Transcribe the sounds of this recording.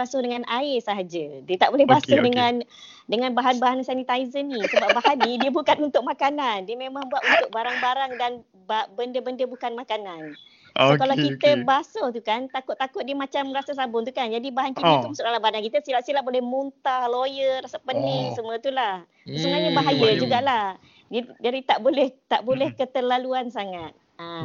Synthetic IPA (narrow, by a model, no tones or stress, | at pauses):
asʊhdəŋanaɪrsəɦad͡ʒədiət̪aʔbolɛhbasʊhdəŋan | dəŋanbaɦanbaɦansanit̪aizənisəbaʔbaɦanidiəbukanunt̪ʊk̚makanandiəmemãŋbuat̪unt̪ʊk̚baɾaŋbaɾaŋdan | babəndəbəndəbukanmakanan | kalawkit̪əbasət̪ukant̪akʊt̪ːakʊt̪̚diəmat͡ʃamrasasabʊŋt̪̬ukand͡ʒadibaɦankinaumasʊt̪̚alabanankit̪əsilaʔsiəlabolɛhmunt̪ahlojəɾasapənɪhsəmuət̪ulah | səsəŋaɲəbaɦajəd͡ʒuɡaʔlah | d͡ʒəd͡ʒadit̪aʔbolɛht̪aʔbolɛhkət̪əlaluansaŋat̪̚ | a